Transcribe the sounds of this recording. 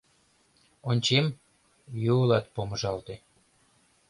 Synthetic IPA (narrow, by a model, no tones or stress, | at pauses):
onʲt͡ɕem | juəlɑt̪̚poməʒɑlt̪e